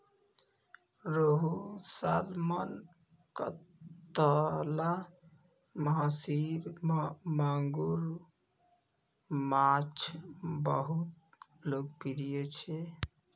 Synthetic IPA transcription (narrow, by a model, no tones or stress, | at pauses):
ɾoɦusalman | kət̪əla | məɦasiɾmmaŋɡuɾ | mat͡ʃʰbəɦut̪̚ | lok̚piɾijet͡ʃʰɛ